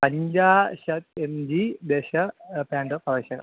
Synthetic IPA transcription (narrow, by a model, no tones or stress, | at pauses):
pɐɲd͡ʑaːɕɐt̪emd͡ʑid̪eːɕɐpaːɳɖɨpɐrɐiɕɐɡɐ̰